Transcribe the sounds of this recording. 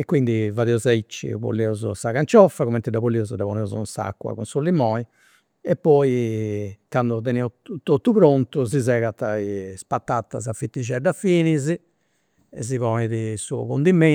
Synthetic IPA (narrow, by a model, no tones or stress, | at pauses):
ɛkːwind̪ivaðɛɔzait͡ʃːḭβo̰lːɛɔzɔ̰saɣant͡ʃɔfːakɣumɛnt̪id̪aβolːiɔzɔd̪aβɔnɛɔzṵnsa̰kːwa̰ɣunsulːimɔːi | ɛpːɔi | kand̪ɔt̪ɛnɛɔt̪ot̪ːupɾont̪uzizɛɣat̪aispat̪ːat̪ːa̰safit̪ːid͡ʒɛɖafiːnizi | ɛ̰z̬ivɔːnɛðisuɔ̰ɣond̪imːɛ